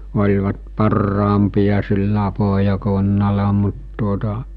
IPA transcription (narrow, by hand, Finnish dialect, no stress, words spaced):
olʲʋɑt pɑrːɑːmpijɑ silːæ poɦjɑkunːɑlɑ mut tuotɑ